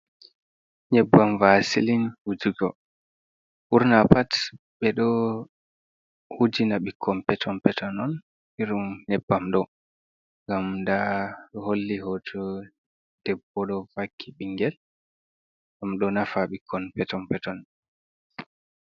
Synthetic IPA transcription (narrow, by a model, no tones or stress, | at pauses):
ɲɛbːamvasilinwud͡ʒiɡɔ | ʔuɾnapat | ɓɛɗɔ | hud͡ʒinaɓikʰːɔmpɛtʰɔmpɛtʰɔnɔn | iɾumɲɛbːamɗɔ | ŋɡamdaɗɔholːiɦɔtʰɔ | d̥ɛbːɔɗɔvakʰːiɓiŋɡɛl | ɡamɗɔnafaɓikʰːɔnpɛtɔmpɛtɔn